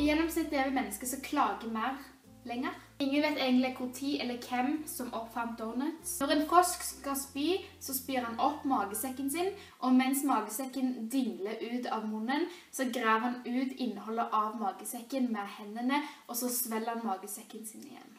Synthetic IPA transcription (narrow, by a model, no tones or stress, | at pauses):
jɛnːɔmsɪt̪ːeːʋəmɛnːəskəsɔkʰlɑːɡəmæɪʁ | lɛŋːəʁ | ɪŋːənʋɛɪt̪eɪɡənt̪lɪkʰʊʁt̪ʰiːʔɛlːəkʰɛmsɔmɔpfɑʁmt̪̚d̪ɔʁnət̪ɔʁɛnfɔskskɑlspyːsɔspyːʁhɑnɔpːmɑːɡəsɛkːənsɪn | ʔɔmɛnsmɑːɡəsɛkːənd̪ɪŋləʉːt̪ɑʋmʊnːən | sɔɡɾæːʋhɑnʉːt̪ɪnːəɦɔlːəʔɑʋmɑːɡəsɛkːənmɛhɛnːənəʔɔsɔsʋɛlːəhɑnmɑːɡəsɛkːənsɪnɪ̰jɛ̰nː